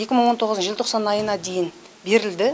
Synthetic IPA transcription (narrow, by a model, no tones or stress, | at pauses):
je̞kʲɪməɴwot̪ʰo̞ʁəznʒɪlt̪ʰoqsɑnɑjənɑd̪e̞jɪn | be̞ɾɪld̪ɪ